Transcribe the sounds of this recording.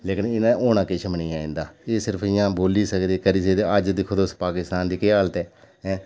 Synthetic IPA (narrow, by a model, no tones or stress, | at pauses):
leːkɪnɪnãːʔoːnãːkɪt͡ʃʰməniːaːḛ̃nd̪aːeːsɪɾpʰɪjãːboːliːsəkd̪iːkəɾiːsəd̪eəd͡ʒd̪ikʰʊd̪spaːkɪst̪aːnd̪iːkeːaːlt̪ɛː | ɛ̃ː